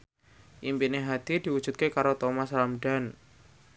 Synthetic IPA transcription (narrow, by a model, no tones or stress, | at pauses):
ʔimpineɦad̪idi̤wud̥d͡ʒ̥ṳt̪̚kekaɾot̪omaslamdan